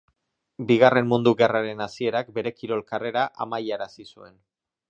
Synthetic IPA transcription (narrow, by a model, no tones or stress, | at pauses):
biɣ̞are̞nmund̪uɣearaɾe̞nasie̞ɾak̚be̞ɾe̞kiɾo̞lkare̞ɾaʔamajaɾasisue̞n